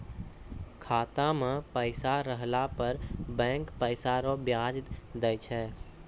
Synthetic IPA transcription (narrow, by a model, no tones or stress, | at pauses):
kʰaːt̪amẽpəɪsaɾəɦlapəɾbɛ̃ːŋkpəɪsaɾobjaːd͡ʒd̪ɛjt͡ʃʰɛː